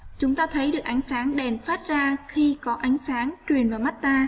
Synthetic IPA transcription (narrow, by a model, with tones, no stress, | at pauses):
t͡ɕʊ˨˦ŋ͡mt̪aː˧t̪ʰə˨˦jɗɨ˨˩ək̚ʔa˨˦jŋ̟saː˨˦ŋɗɛ˨˩nfaː˦˥t̚zaː˧xi˧kɔ˨˦ʔa˨˦jŋ̟saː˨˦ŋt͡ɕwi˨˩ənvaː˨˩ma˦˥t̚t̪aː˧